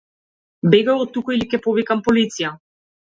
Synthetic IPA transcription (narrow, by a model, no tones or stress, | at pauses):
bɛɡaɔt̪ːukɔilikʲɛpɔvikampɔlit̪sija